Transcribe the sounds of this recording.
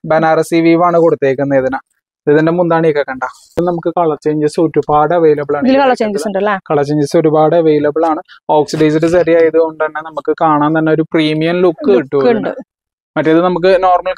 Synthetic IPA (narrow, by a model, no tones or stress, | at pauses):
bɐnaːrɐsiʋiːʋaːɳɨko̞ɽut̪ːeːkʲːunːɐiðina | iðinde̞mund̪aːɳɨikːekːɐɳɖa | iðnɐmukːɨkɐɭɐt͡ɕːeːɲd͡ʑɐsɨoɾubaːɽeʋejlɐbɭaːɳɐðilkɐɭɐt͡ɕːeːɲd͡ʑɐuɳɖɐlːakɐɭɐt͡ɕːeːɲd͡ʑiso̞ɾubaːɽeʋejlɐbɐɭaːɳɨoːksiɖɐjs̬iɽɨsɐɾijaːjɐðuɣoɳɖɐnːenɐmukːɨkaːɳaːnt̪ɐnːeo̞ɾupriːmijɐmlukːɨiʈːuʋɐɳnɨ̰ | mɐtːeiðɨnɐmuk̬ːɨno̞ːrmɐl